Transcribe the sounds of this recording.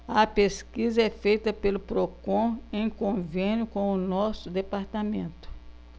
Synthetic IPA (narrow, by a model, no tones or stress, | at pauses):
ɐpeskizɐɛfejt̪ɐpelʊpɾokõẽj̃kõvẽnjʊkõw̃ʊnɔsʊd̪epaɾt̪amẽnt̪ʊ̥